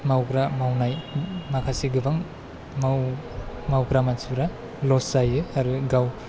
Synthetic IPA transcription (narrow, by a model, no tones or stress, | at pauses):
mawɡɾamawnajmakʰasiɡɯbaŋ | maw | mawɡɾamasuɾa | lɔsajɯaɾɯɡaw